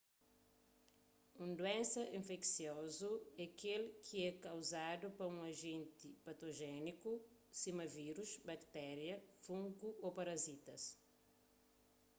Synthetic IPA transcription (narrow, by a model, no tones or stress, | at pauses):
ũnd̪uɛ̃nsɐʔĩɱfɛksjɔzuɛkelkʰiɛkɐwzad̪upɐũɐʒẽnt̪ipɐt̪oʒɛnikusimɐviɾuʃbɐkt̪ɛɾjɐfũŋɡuopɐɾɐzit̪ɐs